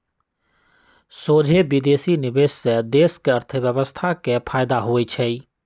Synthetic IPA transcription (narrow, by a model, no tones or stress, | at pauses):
soːd͡ʒʱebid̪eːsinɪbeːssed̪eːskeəɾt̪ʰəbjəbəst̪ʰakepʰaːɪd̪aɦoet͡ʃʰɛi